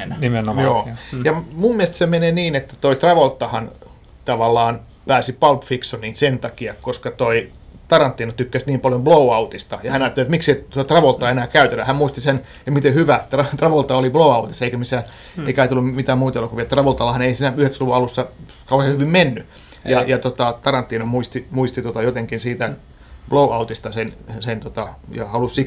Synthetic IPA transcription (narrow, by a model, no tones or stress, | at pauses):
nnimenojoːjɑmummiest̪semeneːniːnet̪ːæ̥t̪oit̪rɑʋolt̪ːɑhɑn | t̪ɑʋɑlːɑːn | pæːsipɑlpfiksoninsent̪ɑkiɑkoskɑt̪oi | t̪ɑrɑnt̪ːiːnɑt̪ykːæsniːmpɑljomblouɑut̪ist̪ɑjɑhænɑːt̪ːeliet̪mikseit̪oɑt̪rɑʋolt̪ːˑɑenæːkæyt̪et̪æhæmmuist̪isen | emit̪ehyʋæt̪rɑt̪rɑʋolt̪ɑoliblouɑut̪isːeikæmisæː | eikɑit̪elːummit̪æːmmuit̪ɑelokuʋiɑt̪rɑʋolt̪ɑlːɑhɑneisiːnæyheksæluʋuɑlusːɑ | kɑuhehyʋimmenːy | jɑjɑt̪ot̪ɑt̪ɑrɑnt̪ːiːnomuist̪imuist̪it̪uot̪ɑjot̪eŋkinsiːt̪æ | b̥louʔɑut̪ist̪ɑsensent̪ot̪ɑjɑhɑlussik